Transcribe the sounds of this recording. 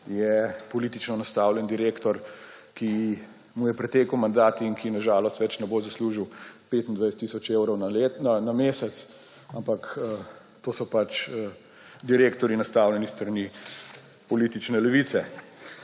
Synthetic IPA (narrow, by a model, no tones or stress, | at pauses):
jɛpɔliːt̪it͡ʃnɔnast̪aːwljɛnd̪iɾeːkt̪ɔɾki | mujɛpɾɛt̪eːkəwmand̪aːt̪iŋkʰinaʒaːlɔst̪ʋɛt͡ʃnɛboːzɐsluːʒiwpeːt̪ind̪ʋajst̪isɔt͡ʃewɾɔwnananameːsɛt̪s | ampakə | t̪oːsɔpat͡ʃə | d̪iɾeːkt̪ɔɾinast̪aːwlʲjɛnist̪ɾɐni | pɔliːt̪it͡ʃnɛlɛʋit̪sɛ